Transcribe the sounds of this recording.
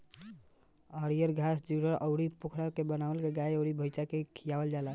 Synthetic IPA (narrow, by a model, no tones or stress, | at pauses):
əɽijəɾɡʱasd͡ʒuɾəɾʔəʊɽipukʰɾakebənaʋəlkeɡajəʊɽibʱəjt͡ʃakekʰijabəld͡ʒala